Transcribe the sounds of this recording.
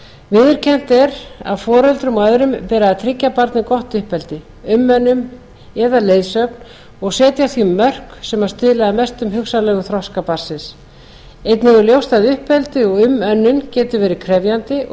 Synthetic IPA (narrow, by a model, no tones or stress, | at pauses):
vɪðɪɾ̥cʰɛn̥t̪ɛɾa̰ðfɔːɾɛlt̪ɾʏmɔœðɾʏmpɛːɾaðat̪ʰɾɪcːapaɾt̪nɪkɔht̪ʏhpɛlt̪ɪ | ʏmːœnːʏm | ɛðaleːjðsœpn | ɔɣsɛːt̪jaθiʏmːœr̥ksɛmaɾ̥st̪ɪðlaðamɛst̪ʏmɦʏksalɛːɣʏθɾɔskapar̥sɪs | ejt̪nɪɣʏljowst̪aðʏhpɛlt̪ɪɔɣʏmœnːʏncɛːt̪ʏvɛːɾɪkʰɾɛvjant̪ɪ